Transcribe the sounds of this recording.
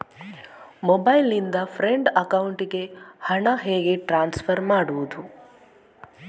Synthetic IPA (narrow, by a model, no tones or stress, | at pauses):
mobajlind̪ɐfɾeɳɖɐkɐwuɳʈɡehɐɳaɦeːɡeʈɾaːnsfʰɐɾmaːɽuːt̪u